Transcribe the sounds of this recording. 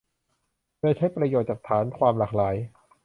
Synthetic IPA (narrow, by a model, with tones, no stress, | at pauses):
dɤː˧jt͡ɕʰa˦˥jpɾa˧joː˨˩t͡ɕaː˨˩t̪ʰaː˩˦nkʰwaː˧mlaː˨˩k̚laː˩˦j